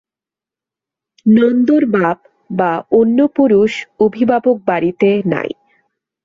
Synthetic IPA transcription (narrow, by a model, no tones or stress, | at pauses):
nɔnd̪oɾbab | baonːopuɾuʃobʱibʱabok̚baɾit̪ena̰j